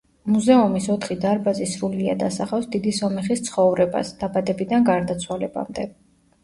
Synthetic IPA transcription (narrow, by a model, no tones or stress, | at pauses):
muzɛumisɔt̪ʰχid̪aɾbazisɾuliad̪asaχafsd̪id̪isɔmɛχist̪sʰχɔvɾɛba̰sd̪̥abad̪ɛbid̪anɡaɾd̪at̪sʰwalɛba̰md̪ɛ